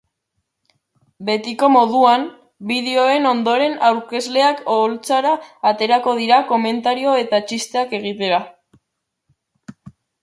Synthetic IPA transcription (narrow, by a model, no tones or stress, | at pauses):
be̞t̪iko̞mo̞ðuam | biðeo̞e̞no̞nd̪o̞ɾe̞nawɾke̞zle̞akolt͡saɾaːt̪e̞ɾako̞ð̞iɾako̞me̞nt̪aɾio̞e̞t̪at͡ʃist̪e̞ake̞ɣ̞it̪e̞ɾa